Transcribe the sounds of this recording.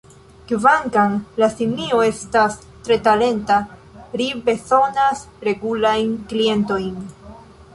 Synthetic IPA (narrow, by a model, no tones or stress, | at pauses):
kvaŋkaŋlasimnio̞e̞stas | tɾe̞tale̞nta | ɾibe̞so̞nas | ɾe̞ɡulajnklie̞nto̞jn